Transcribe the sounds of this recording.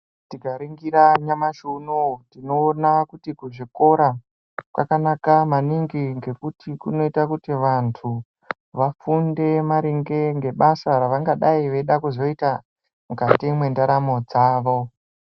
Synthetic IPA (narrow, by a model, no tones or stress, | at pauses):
tikaɾiŋɡiɾaɲamaʃunotino̞ːnakutikuʐiko̞ɾa | kwa̰kanakamaniŋɡiŋɡe̞kutikuno̞itakutiʋantʰu | ʋafunde̞maɾiŋɡe̞ŋɡe̞ɓasaɾaʋaŋɡaɗaiʋe̞ɗakuzo̞ita | mukatimwe̞ndaɾamo̞d͡zaːʋo̞